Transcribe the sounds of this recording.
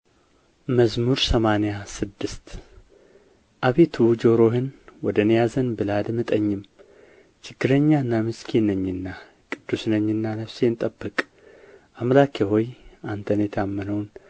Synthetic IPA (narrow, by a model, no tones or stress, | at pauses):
məzmuɾsəmanejasɨd̪ːɨst̪ | ʔaβet̪ʰud͡ʒoɾoɦɨnwɔd̪ənjazənbɨlad̪mɨt̪ʼəɲːɪm | t͡ʃɪɡ̥ːɨɾəɲːaɨnːamɨskʰinəɲːɨnːa | kʼɨd̪̥ːusnəɲːɨnːanəfsent̪ʼəbːɨkʼ | ʔamlakʰeɦojant̪ʰənjɛt̪ʰamːənəwn